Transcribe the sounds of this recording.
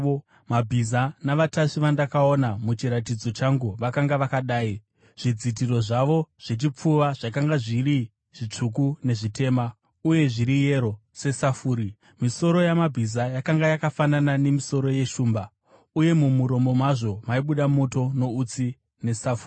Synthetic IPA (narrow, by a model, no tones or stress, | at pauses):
mabʱizanaʋataʂiʋandakao̞namut͡ʃiɾatid͡zo̞t͡ʃaŋɡuʋakaŋɡaʋakaɗaːi | ʐ̥id͡zit̬iro̞ʐaʋo̞ʐ̥et͡ʃip͡fuʋaʐ̥akaŋɡaʐiɾi | ʐ̥it͡ʂuk̬une̞ʐite̞ːma | uje̞ʐiɾije̞ɾo̞se̞safuːɾi | miso̞ɾo̞jamabʱizajakaŋɡajakafananane̞miso̞ɾo̞je̞ʃuːmba | uje̞mumuɾo̞mo̞mwaʐo̞maiɓuɗamo̞to̞no̞ut͡si | ne̞safuː